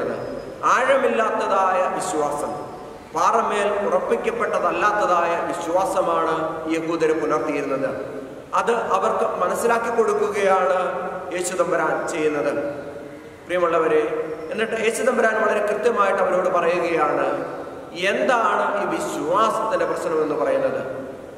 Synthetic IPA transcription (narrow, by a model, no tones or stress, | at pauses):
nːɨ̰ | aːɻɐmilːaːt̪ːɐðaːjɐʋiɕwaːsɐm | paːrɐmːeːlurɐpːikʲːɐpːe̞ʈːɐðɐlːaːt̪ːɐðaːjɐʋiɕwaːsɐmaːɳɨjeɣuːd̪ɐɾukulɐrt̪ijiɾunːɐðɨ | ɐðɨʔɐʋɐrkɨmɐnɐsːilaːkːikːo̞ɽukːuɣɐjaːɳɨe̞ːɕuðɐmbɐɾaːnt͡ɕe̞jːunːɐðɨ | prijɐmɐɭːɐʋɐɾeenːiʈːɨe̞ːɕuðɐmbɐɾaːnmɐɭɐɾekrɨt̪jɐmaːjiʈːɐʋɐɾo̞ːɽɨpɐrɐjuɣɐjaːɳɨ | e̞nd̪aːɳɨiːʋiɕwaːsɐt̪ːinde̞prɐɕnɐme̞nːupɐrɐjunːɐðɨ̰